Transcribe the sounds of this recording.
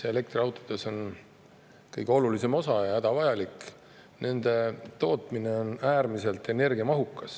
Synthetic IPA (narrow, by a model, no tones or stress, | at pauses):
seele̞k̚t̪riɑwt̪ːˑod̪̥e̞so̞n | kɤjɡ̥eo̞lulise̞mo̞sɑjɑhæd̪̥ɑvɑjɑlik | nʔe̞nd̪̥e̞t̪o̞ːt̪ˑmine̞o̞næːrmise̞lt̪e̞ne̞rɡiɑmɑɦukːˑɑs